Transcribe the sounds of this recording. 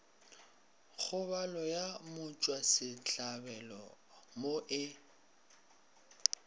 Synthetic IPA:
k͡xʰʊbalɔjamʊt͡ʃʼwasɪt͡ɬʼabɛlɔ̰ | moʔɪ

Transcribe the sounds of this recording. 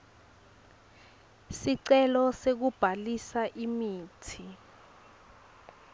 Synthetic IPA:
siǀɛlɔsek̬ub̥ʱalisaʔimiːtʰi

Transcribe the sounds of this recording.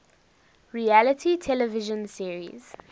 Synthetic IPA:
ɹiælətʰitʰɛləvɪʒə̃nsiəɹḭz̥

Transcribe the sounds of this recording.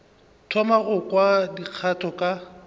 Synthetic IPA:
tʰɔmaɣʊkʼwadiq͡χʰatʰɔkʼa

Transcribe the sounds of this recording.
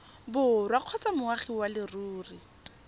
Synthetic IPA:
bʊrwaq͡χʰɔt͡samʊaχiwalɪruːri

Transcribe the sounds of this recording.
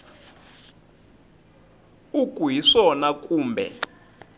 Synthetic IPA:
ukuɦiʂɔnakʼuːmbʱɛ̰

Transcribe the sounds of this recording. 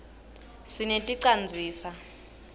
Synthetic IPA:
sinetʼiǀand͡zʱiːsa

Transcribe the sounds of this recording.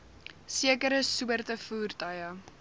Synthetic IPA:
siəkəɾəsuərtəfuːrtɐjə

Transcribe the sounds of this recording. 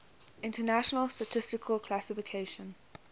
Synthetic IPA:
ɪ̃ntənæʃənəlˠstətʰɪstɪkʰəlkʰlasɪfɪkʰeɪʃə̃n

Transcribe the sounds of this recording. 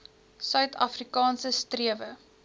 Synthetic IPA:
sœɥtʰɐfrikɑːnsəstriəvə

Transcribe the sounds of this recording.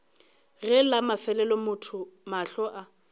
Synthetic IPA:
ɣɛlamafɛlɛlɔmʊtʰʊmaɬɔʔa

